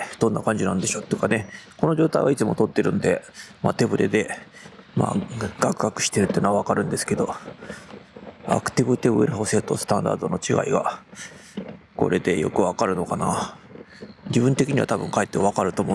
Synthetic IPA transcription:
d̪̥õ̞nːakãɲ̟d͡ʑinãnd̪e̞ɕo̞t̪ːeɯkane̞ko̞no̞ʑo̞ːt̪aiβait͡sɨmo̞t̪o̞t̪ːe̞ɾɯ̟̃nd̪e̞maːt̪e̞bɯ̟ɾʔe̞d̪e̞ | ma̰ːɡ̥akɯ̟ɡakɯ̟̥ɕi̥t̪e̞ɾɯt̪ːei̟ːnoaβakaɾɯ̟̃nd̪e̞sɨ̥ke̞d̪o̞ | a̰kɯ̥t̪ibɯ̟t̪ebɯ̟ɾeɦoːse̞t̪o̞sɨ̥t̪ãnd̪a̰ːd̪o̞no̞t͡ɕiɡa̰iɡa̰ | ko̞̰ɾe̞d̪e̞jo̞̰kɯ̟βakaɾɯ̟no̞kana | d͡ʑibɯ̟̃nt̪ekʲiɲ̟iβa̰t̪abɯ̟̃ŋkaet̪ːeβakaɾɯ̟t̪o̞ːmo

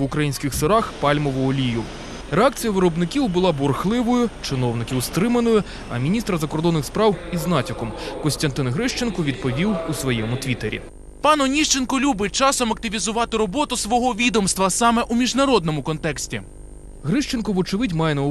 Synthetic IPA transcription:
ʊkɾɐjinʲsʲkʲɪxsɪɾɑxpɑlʲmɔʋɔɔlʲijʊ | ɾeak̚t͡sʲijɐʋɪɾɔbnɪkʲiwbʊlˠɑbɔrxlˠɪʋɔjʊt͡ʃɪnɔwnɪkʲiwst̪ɾɪmenɔjʊ | ɐ̰mʲinʲist̪ɾɐzɐkɔrd̪ɔnːɪxspɾɑwiznɑtʲɔkɔmkɔsʲt̪ʲɐnt̪ɪnɦɾɪʃt͡ʃenkɔʋʲid̪̚pɔʋʲiwusʋɔjɛmʊt̪ʋʲit̪eɾʲḭ | pɑnɔnʲiʃt͡ʃenkɔlʲubɪt͡ʃɑsɔmɐkt̪ɪʋʲizʊʋɑt̪ɪɾɔbɔt̪ʊsʋɔɦɔʋʲid̪ɔmst̪ʋɐsɑmɛʔumʲiʒnɐɾɔd̪nɔmʊkɔnt̪ɛksʲtʲi | ɦɾɪʃt͡ʃenkɔʋʊt͡ʃɪʋɪtʲmɑjɛnɐ

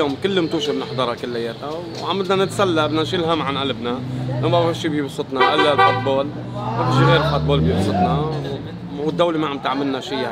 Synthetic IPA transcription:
ʊːmkɪlːmt̪uːʃimnɪħd̪ˤɑɾˤɑkɪlːajːeːt̪a | wʕamɪd̪nanɪt̪salːabnanʃilɦamʕanʔalbnaʔɪbawhaʃːiːbjɪbsˤːʊt̪ˤnɑʔɪlːalfʊt̪̚boːl | mat̪ɪʒiɣeːɾɪlfʊt̪̚boːlbjɪbsˤʊt̪ˤnɑw | ɪd̪ːawlimaʕamt̪aʕmɪlnaʃiːa

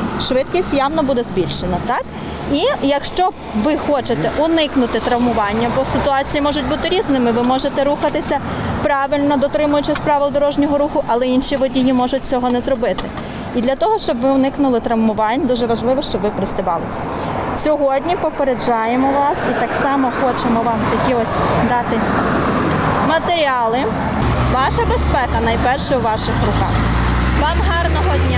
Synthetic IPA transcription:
ʃʋɪt̪kʲisʲtʲjɑwnɔbud̪ɛzbʲilʲʃenɐt̪ɑk | ijɐkʃt͡ʃɔ | ʋɪxɔt͡ʃet̪ɛʔʊnɪknʊt̪ɪt̪ɾɐwmʊʋɑnʲːɐbɔsɪt̪ʊɑt͡sʲijimɔʒʊtʲbut̪ɪɾʲiznɪmɪʋɪmɔʒet̪ɛɾuxɐt̪ɪsʲɐpɾɑʋɪlʲnɔd̪ɔt̪ɾɪmʊjʊt͡ʃɪsʲpɾɑʋɪlˠd̪ɔɾɔʒnʲɔɦɔɾuxʊʔɐlˠɛinʲʃʲiʋɔdʲijimɔʒʊt̚ʲt͡sʲɔɦɔnɛzɾɔbɪt̪ɪ | id̪lʲɐt̪ɔɦɔʃt͡ʃɔbʋɪwnɪknʊlˠɪt̪ɾɐmmʊʋɑnʲd̪uʒɛʋɐʒlˠɪʋɔʃt͡ʃɔbʋɪpɾɪsʲt̪ɪbɑ̰lˠɪsʲɐ̥ | sʲɔɦɔdʲnʲipɔpeɾed͡ʒɑjemɔʋɑsit̪ɑksɑmɔxɔt͡ʃemɔʋɑmt̪ɐkʲiɔsʲd̪ɑt̪ɪ | mɐt̪eɾʲiɑlˠɪ | ʋɑʃɐbespɛkɐnɐjpɛrʃɛwʋɑʃɪxrʊkɑ̰x | ʋɑmɦɑrnɔɦɔdʲnʲa

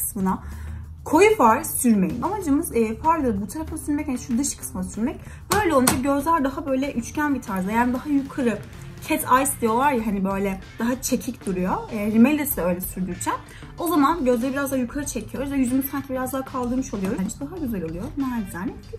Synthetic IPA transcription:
kɯ̥smɯna | kʰo̞jufaɾsyɾmejḭmʔamad͡ʒɯmɯzːfaɾlˠɯbut̪ʰaɾafd̪asyɾmɛchanʃud̪ɯʃkʰɯ̥smɯnasyɾmɛc̚ | bø̞jlʲɛo̞lˠund͡ʒaɟø̞zlʲæɾd̪aɦabø̞jlʲɛʔyt͡ʃcʰænbit̪ʰaɾzajaːnid̪aɦajukʰaɾɯ | cʰɛt̪ʰajsd̪ijo̞lˠaɾjaɦanibø̞jlʲɛd̪̥aɦat͡ʃʰe̞cʰicd̪uɾujoɛɾimɛlʲːesid̪ɛø̞jlʲɛsyɾd̪yɾt͡ʃʰɛn | o̞zamanɟø̞zlʲeɾibiɾazd̪aɦajukʰaɾɯt͡ʃʰecʰijoɾujd̪ɛjyzymyc̪ʰænʰʲbiɾazd̪aɦaːkʰalˠd̪ɯɾmɯʃo̞lˠujo̞ɾund͡ʒɛd̪aɦaɟyzɛlʲo̞lˠujomaazanɛ

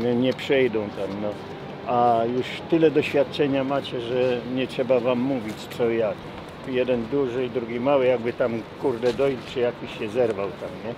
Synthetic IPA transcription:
ɲɛpʂɛjd̪ɔ̃w̃t̪amnɔ | ajuʂt̪ɘlɛd̪ɔɕfʲjat̪̚t͡ʂɛɲamat͡ɕɛʐɛɲɛtʂɛbavamːuvʲit͡ɕt̪sɔjak | jɛd̪ɛnd̪uʐɘid̪ɾuɡʲimawɘjaɡ̚bɘt̪amkuɾd̪ɛd̪ɔjlt͡ʂɘjakʲiɕːɛzɛɾvawt̪amɲɛ

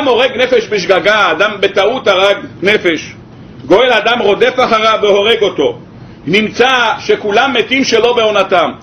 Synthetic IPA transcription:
amho̞ʁeɡnefeʃbeʃ̬ɡaɡaːd̪ambet̪aut̪aʁaɡnefe̞ʃ | ɡo̞elad̪amʁo̞d̪e̞faχaʁaveho̞ʁeɡo̞t̪o̞ | nimt͡saʃekulamːet̪imʃelo̞be̞o̞natam

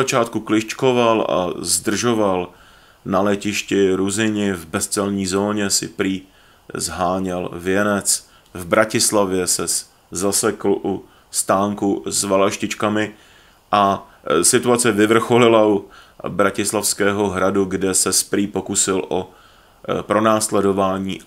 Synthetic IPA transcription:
at͡ʃaːt̪kuklɪʃt͡ʃkovala̰zd̪r̩ʒoval | nalɛcɪʃcɪɾuzɪɲɪvbɛst͡sɛlɲiːzoːɲɛsɪ̰pɾiː | zɦaːɲɛlvjɛnɛt͡s | vbɾacɪslavjɛsɛs | zasɛkl̩ʔu | st̪aːŋkuzvalaʃcɪt͡ʃkamɪ | ʔa | sɪt̪uat͡sɛvɪvr̩xo̞lɪlaʔu | bɾacɪslafskɛːɦo̞ɦɾaduɡdɛsɛspɾiːpo̞kusɪlʔo | pɾo̞naːslɛdo̞vaːɲḭː

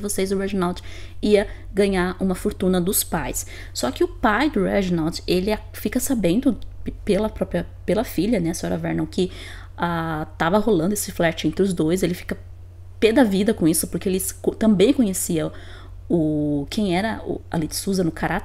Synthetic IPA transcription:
ɪvosezʊhaʒnawd͡ʒiɐ | ɡɐ̃ɲaɾũmɐfoɾt̪ũnɐd̪ʊspajs | sɔkɪʊpajd̪ʊɾɛʒnawd͡ʒelɪa | fikɐsabẽnd̪ʊpelɐpɾɔpɾjɐpelɐfiʎɐnɛɐsoɾɐvɛ̰ɾnɐwkɪ | at̪avɐholɐ̃nd̪ʊesɪflɛt͡ʃɪẽnt̪ɾɪʊzd̪ojselɪfi̥kɐ | ped̪avid̪ɐkõisʊpoɾkeelɪkot̪ɐ̃mbẽj̃kõɲesiɐ | ʊkʰẽj̃ɛɾɐʊ̰a̰lid͡ʒ̪ɪ̥suzɐnʊkʰaɾat̪

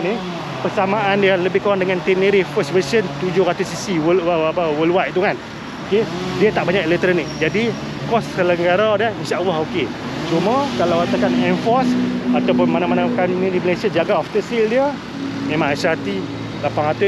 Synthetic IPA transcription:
ni | pərsamaʔandiələbɪhkəɾaŋdəŋant̪iniɾifəswəsənt̪ud͡ʒʊhɾat̪usisiwəwaapawəlwaʔit̪ukan | okediət̪aʔbaɲaklet̪ɾənikd͡ʒadi | kɔssələŋɡaɾadəinʃaʔalːahoke | t͡ʃuməkalawat̪akanɛnfɔrsat̪awp̬ʊnmanamanakanunidiməlesiad͡ʒaɡaɔft̪əsildiə | mẽmãŋasaat̪i | lapaŋɾat̪ʊ

